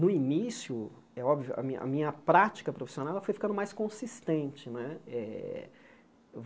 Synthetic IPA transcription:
nʊinisjʊ | ɛɔbvijʊ̰ʔɐ̰mḭ̃ʔɐ̰mĩɲɐpɾat͡ʃi̥kɐpɾofi̥sionawɛlɐfojfi̥kɐ̃nd̪ʊmajskõsist̪ẽt͡ʃɪnɛɛ̰ | v

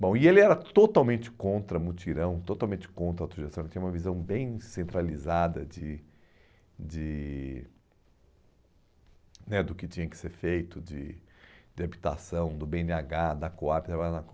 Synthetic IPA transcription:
bõw̃ɪelɪɛɾɐt̪ot̪awmẽnt͡ʃɪ̥kõnt̪ɾɐmut͡ʃiɾɐ̃w̃t̪ot̪awmẽnt͡ʃɪ̥kõnt̪ɾɐawt̪ɾoʒest̪ɐ̃ɛt͡ʃĩɲ̃ɐũmɐvizɐ̃w̃bẽj̃sẽnt̪ɾalizad̪ɐd͡ʒɪ | d͡ʒɪ | nɛd̪ʊkɪt͡ʃĩɲɐ̃kɪ̥seɾfejt̪ʊd͡ʒɪd͡ʒɪabit̪a̰sɐ̃w̃d̪ʊbeẽnɪaɡad̪ɐkoabɪt̪ɾabaʎanɐk

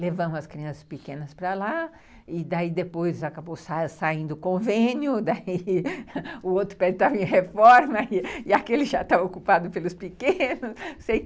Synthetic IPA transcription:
levɐ̃mʊɐskɾiɐ̃sɐ̥spikẽnɐspɾɐla | ɪd̪aid̪epojzakabosasaĩd̪ʊʊkõvẽnjʊd̪aiiʊowt̪ɾʊpɛd͡ʒɪt̪amĩɲɐhefɔɾmɐiɪakelɪʒat̪avokupad̪ʊpelʊspikẽnʊssej

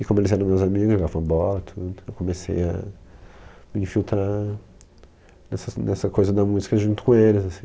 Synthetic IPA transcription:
ɪkõmʊelɪzɛɾɐ̃mewzamiɡʊzʒoɡavɐ̃w̃ɐbɔlɐt̪ʰud̪ʊewkomesḛjɐ̰ | mɪĩfiwt̪ɾa | nɛsɐnɛsɐkojzɐd̪ɐmuzikɐʒũnt̪ʊ̥kõelɪzasĩ̥

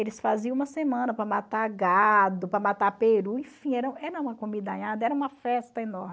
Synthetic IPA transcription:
elɪsfaziɐ̃ũmɐsemɐ̃nɐpɾɐmat̪aɡad̪ʊpɾɐmat̪apeɾuĩfĩɛɾɐ̃w̃ɛɾɐũmɐkomid̪ɐaɲad̪ɐɛɾɐũmɐfɛst̪ɐenɔɾmɪ

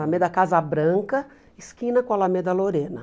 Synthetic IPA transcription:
amed̪ɐkazɐbɾɐ̃ŋkɐ | ɪskĩnɐkõɐlamed̪ɐloɾẽnɐ

